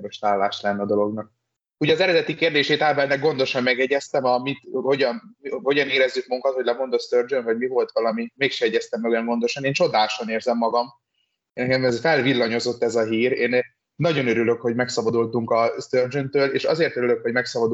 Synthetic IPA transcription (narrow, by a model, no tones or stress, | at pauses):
moʃt̪aːlːaːʃlɛnːɛɒd̪o̞lo̞ɡnɒk̚ | uːɟɒzɛɾɛd̪ɛt̪ikeːrd̪eːʃeːt̪aːbɛlnɛɡo̞nd̪o̞ʃɒmmɛɡɛɟɛst̪ɛmɒmit̪ho̞ɟɒnho̞ɟɒneːɾɛzːyk̚mouŋkɒt̪ho̞ɟlɛmo̞nd̪ost̪ørd͡ʒønvɒɟmivo̞lt̪ʋɒlɒmimeːkʃɛɛɟɛst̪ɛmːɛɡɛmɡo̞nd̪o̞ʃɒneːnt͡ʃo̞d̪aːʃo̞neːrzɛmːɒɡɒm | nɛkɛmɛzfɛlvilːɒɲo̞zo̞t̪ːɛzɒɦiːɾeːnː | ɒɟo̞nøɾylø̞kho̞ɟmɛksɒbɒd̪ult̪uŋkɒst̪ørd͡ʒønt̪øːleːʃɒ̰zeːrt̪øɾyløkho̞ɟmɛksɒbɒd̪u